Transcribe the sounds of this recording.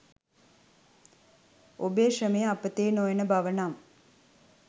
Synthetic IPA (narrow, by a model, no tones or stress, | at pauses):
obeːʂɐmeːɐpːɐt̪ːeːnoːjɐnɐbʱɐʋɐnaːm